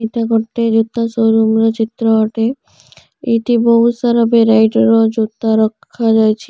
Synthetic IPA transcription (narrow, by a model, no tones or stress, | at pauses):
iʈaɡoʈːed͡ʑut̪ːasowɾumɾot͡ɕit̪ːɾoɔʈe | iʈibɔɦusaɾɔbeɾajʈɾod͡ʒud̪aɾɔkʰːad͡ʒajt͡ɕʰi